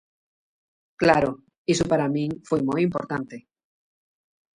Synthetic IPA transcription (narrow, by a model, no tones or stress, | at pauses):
klaɾo | isʊpaɾamĩŋfojmojimpo̰ɾt̪ant̪e